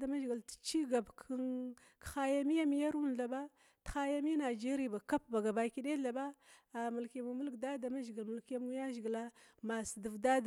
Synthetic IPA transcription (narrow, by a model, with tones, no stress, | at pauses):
da˨ma˦ʒɡi˨ltt͡ʃi˦ɡa˨bkʰn | kxa˦ja˦mi˦ja˦mi˦ja˦ɾu˦n˨ɬa˨ba˦ | txa˦ja˦mi˦na˨d͡ʒe˦ɾi˦ba˨ka˦pba˨ɡa˨ba˨˦ki˦ɗe˦ɮa˨ba˦a˨mu˨lke˨mu˨mu˦lɡda˦da˨ma˦ʒɡə˨lmu˨lke˦mu˦ja˦ʒɡi˨la˦ | ma˨sə˨də˨vda˦d